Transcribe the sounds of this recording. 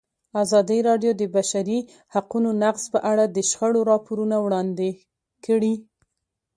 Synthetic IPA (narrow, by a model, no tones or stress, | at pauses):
azɑd̪iɾɑɖjod̪əbaʃaɾi | haqunonaqz̥pəʔaɽad̪əʃxəɽoɾɑpoɾunawɽɑnd̪e | kəɽi